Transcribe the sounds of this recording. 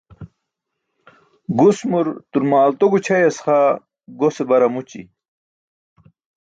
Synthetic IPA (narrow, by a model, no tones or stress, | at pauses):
ɡusmuɾt̪uɾmaːlt̪oɡut͡ɕʰɐjɐsχa | ɡosebɐɾɐmut͡ɕḭ